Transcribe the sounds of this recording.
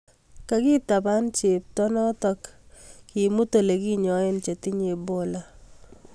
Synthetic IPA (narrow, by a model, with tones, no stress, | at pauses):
ka˦ki˦ta˨pa˦nt͡ʃe˨tɔ˦nɔ˦tɔ˦kkːi˨mu˦to˨le˨ki˦ɲɔ˨e˦nt͡ʃe˨ti˦ɲe˨bo˦la˦